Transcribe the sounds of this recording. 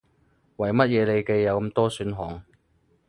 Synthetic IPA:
wɐ˨˩jmɐ˥t̚jɛː˨˧le˨˧jke˧jːɐ˨˧wkɐ˧˥mt̪ɔː˥syː˨˥nɦɔː˨ŋ

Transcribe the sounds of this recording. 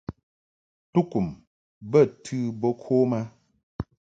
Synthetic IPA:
tu˦ku˨m | bə˦˨tʰʉ˦bo˦kʰo˦ma˦

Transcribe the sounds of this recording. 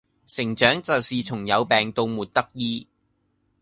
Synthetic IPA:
sɪ˨˩ŋt͡ʃœː˨˥ŋt͡sɐ˨wsiː˨t͡sʰʊ˨˩ŋjɐ˨˧wpɛː˨˩ŋt̪o˧wmuː˨t̚t̪ɐ˥k̚jiː˥

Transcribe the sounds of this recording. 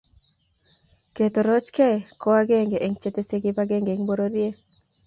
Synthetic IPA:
ke˨t̪o˨ɾɔ˦t͡ʃkɛ˦kɔ˦wa˦ɡe˦ŋɡe˨ʔe˨ŋt͡ʃe˦t̪e˦se˦ɡe˦paɡe˦ŋɡe˨ŋbo˦ɾoɾje˦

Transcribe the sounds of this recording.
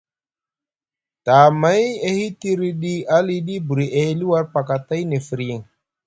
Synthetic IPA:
ta˨ma˨˦je˦hi˦ti˦ɾi˦ɗi˦a˦li˦ɗi˦bu˨ɾi˨ʔe˨hli˦wa˦ɾpa˨ka˨ta˦jne˨fi˨ɾji˨ŋ

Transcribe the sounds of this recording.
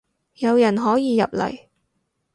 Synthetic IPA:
jɐ˨˧wjɐ˨˩nɦɔː˨˥jiː˨˧jɐ̰˨p̚lɐ̰˨˩j

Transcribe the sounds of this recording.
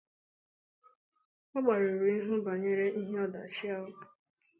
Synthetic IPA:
ɔ˦ɡ͡ba˨ɾo˨ɾu˨i˦ɦʊ˦ba˨ɲe˦ɾe˦ʔi˦ɦe˦ɔ˦da˨t͡ʃɪ˦a˦ʊ˨

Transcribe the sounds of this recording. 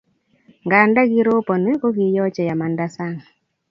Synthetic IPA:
ŋɡa˨nda˦ɡi˦ɾo˦pɔ˨ne˦ko˦ɡi˨jɔ˦t͡ʃɛ˨ja˨ma˨nda˦sa˦ŋ˨

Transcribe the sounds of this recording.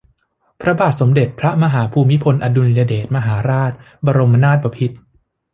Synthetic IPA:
pʰɾa˦˥baː˨˩t̪̚so˩˦mde˨˩t̪̚pʰɾa˦˥ma˧ɦaː˩˦pʰuː˧mi˦˥pʰo˧nʔa˧du˧ni˧ja˧deː˨˩t̪̚ma˧ɦaː˩˦ɾaː˥˩t̪̚ | baː˧ɾo˧mːa˧naː˥˩t̪̚ba˧pʰi˦˥t̪̚

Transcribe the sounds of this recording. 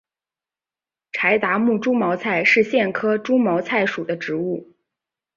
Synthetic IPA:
ʈ͡ʂʰa˧˥ɪt̪a˧˥mu˥˩ʈ͡ʂu˥mɑ˧˥ʊt͡sʰa˥˧ɪʂɻ̩˥˧ɕjɛ˥˩nkʰɤ˥ʈ͡ʂu˥mɑ˧˥ʊt͡sʰa˥˩ɪʂu˨˩d̪ə˦ʈ͡ʂɻ̩˧˥u˥˩

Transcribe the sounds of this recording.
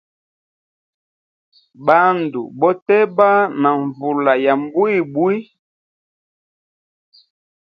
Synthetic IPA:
ba˦ndṵ˨bɔ˦tɛ˦ba˦na˨ɱvu˨la˨ja˨m˦bu˦i˦˨bwi˦

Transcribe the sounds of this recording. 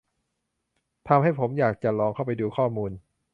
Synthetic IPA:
t̪ʰa˧mɦa˥˩jpʰo˩˦mjaː˨˩k̚t͡ɕa˨˩lɔː˧ŋkʰa˥˩wpa˧jduː˧kʰɔː˥˩muː˧n

